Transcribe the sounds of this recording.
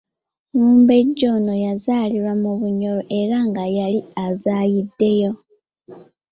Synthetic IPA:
muːmbe̞ɟːo̞no̞jazaːliɾwamuβuɲo̞ɾoʔe̞ɾaŋɡajaliazaːjidːe̞jo̞

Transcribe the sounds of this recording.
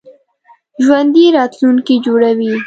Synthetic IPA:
ʒwand̪iɾɑt̪luŋkid͡ʒoɽawi

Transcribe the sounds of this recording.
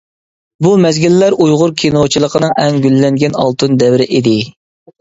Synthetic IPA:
bumɛzɡʲilːæɾʔujʁʊɾkʲʰinot͡ʃʰilˠəqʰənɨŋʔɛŋɡʲylːɛŋɡʲɛnɑ̰lˠt̪ɨnd̪ɛwɾɪʔid̪ɪ

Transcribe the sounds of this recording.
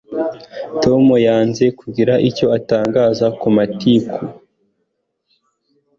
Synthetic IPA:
to̞mujaːnze̞kuɡiɾaʔico̞ataːŋɡaːzakumatikʰu

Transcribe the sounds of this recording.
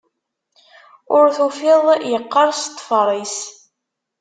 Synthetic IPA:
ʊɾθufɪðˤjəqːɑɾˤst̪ˤːfɾˤis

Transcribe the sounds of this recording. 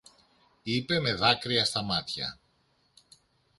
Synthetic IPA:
ipe̞me̞ðɐkɾiɐst̪ɐmɐt̪çɐ̰

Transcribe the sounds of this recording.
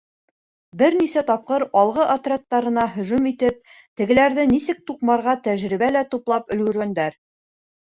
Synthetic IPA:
bɘɾnisæt̪ɒp̚qɤɾɒlˠʁɤʔɐt̪rʲet̪ːɑɾɤ̆nɑɦɵ̆ʒumit̪ɘp̚ | t̪ɘ̆ɡɘ̆læɾðɘnisɘk̚t̪uqmɑɾʁɑt̪æʒɾiβælæt̪uplˠɑpɵ̆lɡɵ̆ɾɡænd̪æɾ

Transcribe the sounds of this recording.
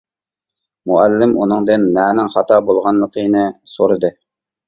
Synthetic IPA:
muælːɪmʔunɨŋd̪ɨnːɛːnɪŋχɑt̪ʰɑbolˠʁɑnlˠəqʰənɨsoɾɨd̪ɨ

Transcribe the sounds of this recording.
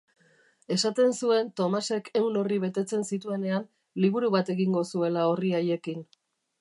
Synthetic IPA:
e̞sat̪e̞nsue̞nt̪o̞mase̞kʰe̞wno̞riβe̞t̪e̞t͡se̞nsit̪ue̞ne̞an | liβ̞uɾuβat̪e̞ɣiŋɡo̞sue̞lao̞riaje̞kin

